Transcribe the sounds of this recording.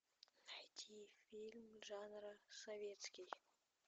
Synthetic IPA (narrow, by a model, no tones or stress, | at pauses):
t̪ʲʰifilʲmʒɑnɾəsovʲet̪skʲij